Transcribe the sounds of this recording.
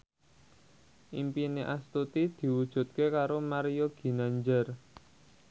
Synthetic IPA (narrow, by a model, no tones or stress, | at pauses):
ʔimpineʔast̪ut̪id̪̥i̤wud̥ʒ̥ṳt̪̚kekaɾomaɾijoɡ̥i̤naɲd͡ʒər